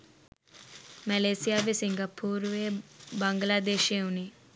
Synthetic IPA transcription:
mɐleːsijaːʋisiŋɡapʰuːɾʋeːbɐŋɡlaːd̪eːʃeːuni

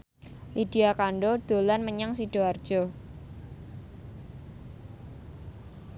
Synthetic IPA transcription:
lid̥iakaɳɖod̪̥o̤lanməɲaŋsiɖ̥oard̥ʒ̥ɔ

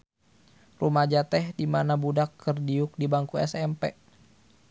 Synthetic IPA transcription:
rumad͡ʒat̪ɛhdimanabudakʰːərdiʊk̚dibaŋkuɛ̰sɛmpɛ̰

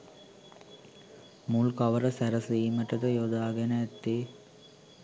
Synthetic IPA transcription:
mulkɐʋɐɾɐsæɾɐsiːməʈɐd̪ɐjod̪aːɡenɐːt̪ːi

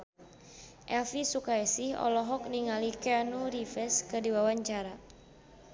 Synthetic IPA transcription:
ʔɛlfisukaɛsihɔ̰lɔɦɔk̚niŋalikɛanuɾifɛskədiwawaɲt͡ʃaɾa

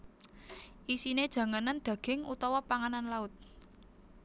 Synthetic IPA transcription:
ʔisined̥ʒ̥ä̤ŋanand̪̥ä̤ɡ̥ɪ̤ŋut̪ɔwɔpaŋananlaʊt̪̚

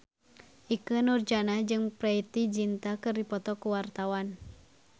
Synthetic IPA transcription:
ʔikənurd͡ʒanad͡ʒɨŋpɾɛit̪id͡ʒint̪akɨrdipɔt̪ɔkuwart̪awan

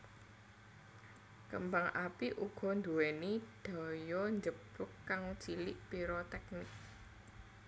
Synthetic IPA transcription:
kəmbaŋʔapiʔuɡ̥ɔ̤nd̪uwɛniɖ̪̥ɔ̤jɔɲd͡ʒəbɾʊkːaŋt͡ʃilɪʔpiɾɔt̪ɛk̚nɪk̚

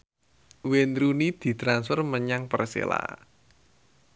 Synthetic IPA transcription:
wenɾunid̪̥i̤t̪ɾansfərməɲaŋpərsḛla̰

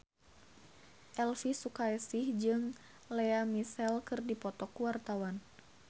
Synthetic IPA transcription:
ʔɛlfisukaɛsihd͡ʒɨŋ | lɛamisɛlkɨrdipɔt̪ɔkuwart̪awan

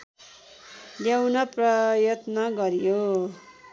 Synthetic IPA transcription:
ljawnʌprʌjʌt̪nʌɡʌɾjo

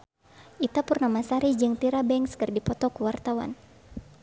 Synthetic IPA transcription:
ʔit̪apʊrnamasaɾid͡ʒɨŋt̪iɾabɛŋskɨrdipɔt̪ɔkuwart̪awa̰n

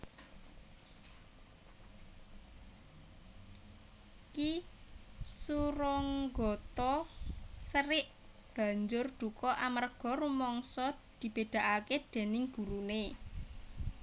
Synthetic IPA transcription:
ki | suɾɔŋɡɔt̪ɔ | səɾɪʔ | b̥ä̤ɲd͡ʒʊrd̪̥ṳkɔʔamərɡ̥ɔ̤ɾumɔŋsɔd̪̥i̤b̥e̤d̪̥a̤ʔaked̪̥e̤nɪŋɡ̥ṳɾune

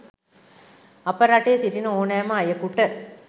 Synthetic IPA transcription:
ɐpɐɾaʈeːsitinɐoːnaːmaːjɐkuʈːɐ

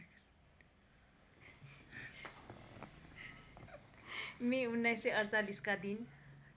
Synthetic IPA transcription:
miunːajseʌrt͡saliskad̪in

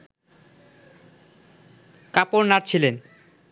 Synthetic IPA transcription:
kapoɾnaʈ̚t͡ɕʰilen

